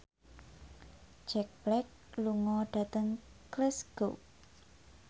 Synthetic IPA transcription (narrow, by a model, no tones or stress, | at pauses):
d͡ʒɛk̚b̥lɛk̚luŋɔɖ̥a̤t̪əŋklɪsɡ̥o